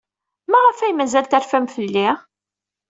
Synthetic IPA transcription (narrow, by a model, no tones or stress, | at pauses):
mæʁəfæjmæzælt̪æɾfæmfəlːi